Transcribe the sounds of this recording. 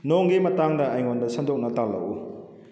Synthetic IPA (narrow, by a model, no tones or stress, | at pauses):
noŋɡimɐtaŋdɐajŋondɐsɐndok̚nɐtalːɐ̰ʔṵ